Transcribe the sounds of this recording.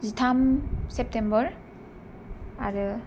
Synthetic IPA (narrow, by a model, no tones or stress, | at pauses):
zitʰamsep̚tembɔɾ | aɾɯ